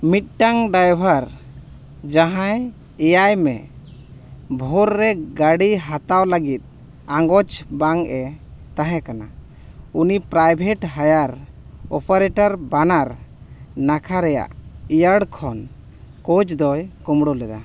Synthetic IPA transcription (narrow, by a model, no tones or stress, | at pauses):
mit̪̚ˀʈaŋɖajbʱaɾ | d͡ʒaɦãj | ɛjajmɛ̰ | bʱɔɾːɛɡaɽiɦat̪awləɡit̪̚ | aŋɡɔt͡ʃbaŋʔɛt̪aɦɛ̃kana | unipɾajbʱɛʈɦajaɾ | ɔpaɾɛʈaɾbanaɾ | nakʰaɾɛja̰ʔijəɽkʰɔn | kɔt͡ʃd̪ɔjkɔmɽɔlɛd̪a̰